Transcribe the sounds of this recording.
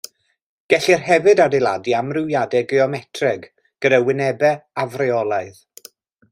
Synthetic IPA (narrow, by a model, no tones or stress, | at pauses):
ɡ̥ɛɬirɦɛvɨdadɪlˠa̰diamrɪwjadɛɡɪɔmɛtʰrɛɡ | ɡ̥ədawɪnɛbɛavrɛɔlˠaɨð